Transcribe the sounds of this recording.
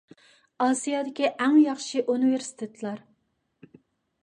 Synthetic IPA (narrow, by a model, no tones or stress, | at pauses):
ɑsijɑd̪ɪkʲiʔæŋjɑχʃiʔunɨveɾsi̥t̪ʰet̪ʰlˠɑɾ